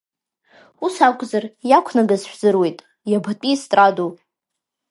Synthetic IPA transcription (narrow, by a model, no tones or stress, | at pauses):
usakʷʼzarjakʷʰnaɡazʃʷᶣzɨrwe̞jtʼ | jabatʼistʼradu